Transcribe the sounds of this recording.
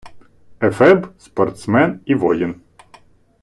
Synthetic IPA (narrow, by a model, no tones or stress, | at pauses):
ɛfɛbspɔrt̪smɛniʋɔjɪn